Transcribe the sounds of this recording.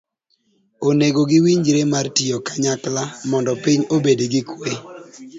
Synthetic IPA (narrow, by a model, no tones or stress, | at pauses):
oneɡoɡɪwiɲd͡ʒɾemartiokaɲaklamɔndɔpiɲobedeɡɪkwe